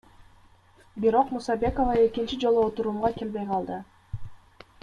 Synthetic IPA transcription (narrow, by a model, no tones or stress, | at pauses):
biɾo̞qmusɑbʲe̞ko̞vɑe̞kint͡ʃid͡ʒo̞lˠuot̪uɾuːmʁɑke̞lbe̞jqʰɑlˠd̪ɯ